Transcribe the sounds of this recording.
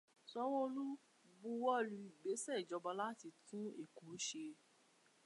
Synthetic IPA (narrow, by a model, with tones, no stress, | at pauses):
sɔ˦wɔ˦˧lu˦ | bu˧wɔ˦˨lu˧i˨ɡ͡be˨˦sɛ˦˨i˨d͡ʒɔ˨˧ba˧la˦ti˧tũ˦e˦˨kũ˨˦ʃe˧